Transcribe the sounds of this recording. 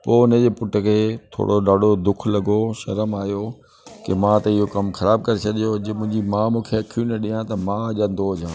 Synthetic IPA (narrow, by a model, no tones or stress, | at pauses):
poːned͡ʑepʊʈəkʰeːt̪ʰo̰ːɽoɗaːɖʱod̪ʊkʰlɐɡoʃɐɾəmaːjo | kemãt̪ɐɪɦokɐmxɐɾaːb̚kɐɾesʰɐɗijod͡ʑemʊ̃ɦɪ̃ɲd͡ʑimãːmũːkʰeɐkʰjũnẽɗijãt̪ɐmãʄãnd̪ʱood͡ʑãː